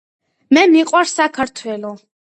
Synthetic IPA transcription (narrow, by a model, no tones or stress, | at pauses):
mɛmiqʼwaɾsakʰaɾt̪ʰwɛlɔ